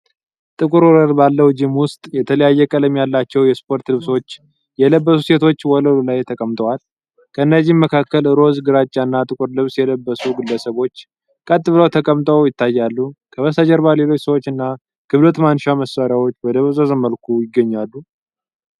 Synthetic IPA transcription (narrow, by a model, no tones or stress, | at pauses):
t̪ʼɨkʼɨɾwɔləlbalːəwd͡ʒɨmwʊst̪ʼjɛt̪ʰələjajːɛkʼələmjalːat͡ʃːɛwjɛspʰo̞ɾt̪lɨβso̞t͡ʃː | jɛləbːəsuse̞t̪ʰo̞t͡ʃːwɔləllajt̪ʰəkʼəmt̪ʼəwal | kʰəɨnːəzːɪhmːəkʰakːəlɾo̞zɡɨɾat͡ʃʼːanːat̪ʼɨkʼuɾlɨβsjɛləbːəsuɡɨlːəsəβo̞t͡ʃː | kʼət̪ʼːɨβləwt̪ʰəkʼəmt̪ʼəwjɪt̪ːajːalːukʰəβəsad͡ʒəɾbale̞lo̞t͡ʃːsəwo̞t͡ʃːɨnːa | ɡ̥ʰɨβd̪ət̪manːʃaməsːaɾjawo̞t͡ʃːwɔd̪əβəzʼəzəməlkʰujɪɡːəɲːalːu